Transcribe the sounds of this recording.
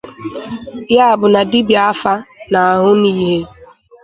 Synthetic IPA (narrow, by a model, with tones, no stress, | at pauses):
ja˦a˨bʊ˨na˨di˦bi˨a˦fa˦na˨ɦʊ˦niː˦ɦe˦